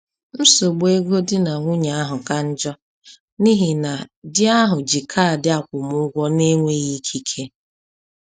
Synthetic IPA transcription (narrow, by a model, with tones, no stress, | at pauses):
m̩˦so˨ɡ͡be˦ɡo˦dɪ˦na˨ŋʷʊ˦ɲa˨a˦ɦʊ˨ka˦n̩˦d͡ʒɔ˦ | ni˦ɦi˨na˨dɪ˦a˦ɦʊ˨d͡ʒi˨kʰa˦˨dɪ˦a˦kʷʊ˨mʊ˦ɡʷɔ˦ne˦ŋʷe˦ɣi˦kʰi˦kʰe˦